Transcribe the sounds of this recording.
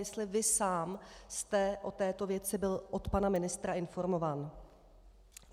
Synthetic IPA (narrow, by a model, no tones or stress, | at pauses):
jɛst̪lɪvɪsaːmst̪ɛʔo̞t̪ɛːt̪o̞vjɛt͡sɪbɪlʔo̞t̪panamɪnɪst̪ɾaɪnfo̞ɾmo̞vaːn